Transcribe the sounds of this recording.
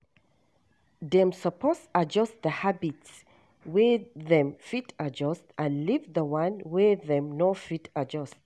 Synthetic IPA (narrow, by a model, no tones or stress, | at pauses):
dɛ̃msəpʰɔsad͡ʒɔstðəhabits | wɛðɛ̃mfitʰad͡ʒɔstãnlivðəwãnwɛðɛ̃mnɔfitʰad͡ʒɔst